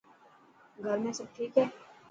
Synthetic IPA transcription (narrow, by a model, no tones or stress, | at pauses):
ɡʱɐɾmẽsɐʈʰiːkɦɛː